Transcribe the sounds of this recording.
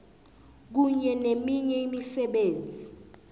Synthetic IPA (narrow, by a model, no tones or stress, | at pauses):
k̬uɲɛnemiɲɛimisɛɓeːnd͡zʱi